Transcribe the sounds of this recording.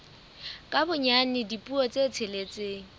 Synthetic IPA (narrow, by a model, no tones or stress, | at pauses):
kʼabʊɲanɪdipʼuɔt͡sʼet͡sʰelet͡sʼeːŋ̩